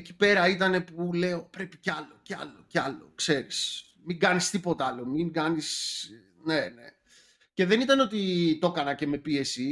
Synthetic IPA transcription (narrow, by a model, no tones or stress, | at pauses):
eci̥pe̞ɾɐit̪ɐne̞pule̞o̞pɾe̞pi̥ceɐlo̞ceɐ̰lo̞ceɐlo̞̰kse̞ɾis | miŋɡɐnist̪ipo̞t̪ɐɐlomiŋɡɐnis | ne̞ne̞ | ce̞ðe̞nit̪ɐno̞t̪̬it̪o̞kɐnɐce̞me̞pie̞si